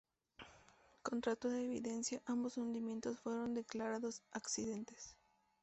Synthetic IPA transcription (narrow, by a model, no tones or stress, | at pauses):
ko̞nt̪ɾat̪oðeːβiðe̞nsjaʔambosund̪imje̞nt̪o̞sfwe̞ɾo̞nd̪e̞klaɾaðo̞saksiðe̞nt̪es